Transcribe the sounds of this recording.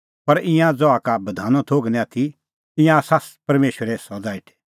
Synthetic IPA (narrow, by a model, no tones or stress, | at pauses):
pɐɾɪ̃jãd͡zɔakabɐd̪ʱaːnɔ̃t̪ʰoːɡnɛ̃at̪ʰi | ɪ̃jãsaspɐɾmeːʃəɾɛsɔd͡zaːɪʈʰɛ̥